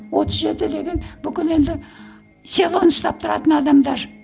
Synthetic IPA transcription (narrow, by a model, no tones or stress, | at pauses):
wo̞t̪ʰəzʒe̞t̪ɪd̪e̞ɡʲe̞nbʏkʲɪne̞nd̪ɪ | se̞lˠo̞nəst̪ɑp̚t̪ʰəɾɑ̰t̪ənɑd̪ɑmd̪ɑɾ